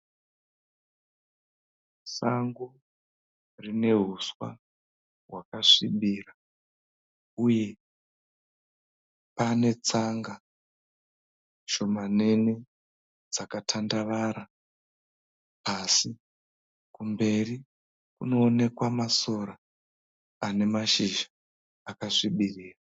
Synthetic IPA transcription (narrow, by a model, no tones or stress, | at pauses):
saŋɡu | rine̞ɦuswa̰ | ɦwakaʂiɓira | uje̞ | pane̞t͡saŋɡa | ʃo̞mane̞ne | d͡zakatʰandaʋaɾa | pasi | kumbe̞ri | kuno̞ːne̞kwamaso̞ɾaː | ne̞maʃiʒaː | kaʂiɓiriːra